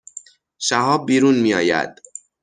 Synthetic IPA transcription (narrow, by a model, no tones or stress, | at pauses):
ʃæhɒːb̚ːiːɾunmiːjɒːjæ̰d̪̥